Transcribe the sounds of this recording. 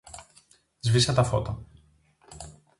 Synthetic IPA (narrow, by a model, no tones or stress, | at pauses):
zvisɐt̪ɐfo̞̰t̪ɐ